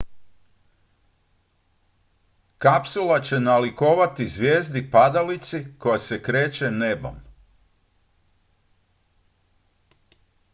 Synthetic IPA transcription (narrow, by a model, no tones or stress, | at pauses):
kapsulat͡ɕe̞naliko̞ːʋat̪izʋjeːzd̪ipad̪alit̪siko̞jase̞kɾeːt͡ɕe̞nebo̰m